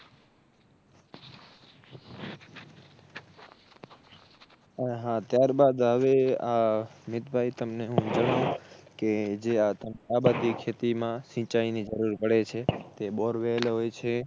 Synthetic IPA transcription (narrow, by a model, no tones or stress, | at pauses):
əɦãt̪jaɾbad̪ɦəʋeamɪt̪bʱait̪əmneɦũd͡ʒəɽ̃ũked͡ʒeat̪əmkabat̪ikʰet̪imãʃĩt͡ʃainid͡ʒəɾuɾpəɽet͡ʃʰet̪eboɾʋelɦojt͡ʃʰe